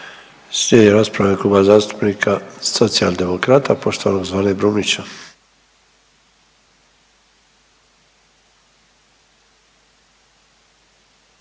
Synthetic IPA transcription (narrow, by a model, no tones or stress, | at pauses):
sɲejeɾaspɾavekubazast̪u̥pnikʰasot̪siald̪emokɾat̪apoʃt̪oaloɡzvalebɾumit͡ʃa